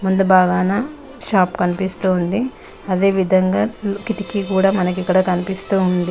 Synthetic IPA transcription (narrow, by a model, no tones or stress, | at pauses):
mund̪ubaːɡaːna | ʃaːpkɐnipist̪uːnd̪i | ɐd̪e̞ːʋid̪ʱɐŋɡaːlkiʈikikuːɽaːmɐnɐk̬ikːɐɽɐkɐnipist̪uːund̪i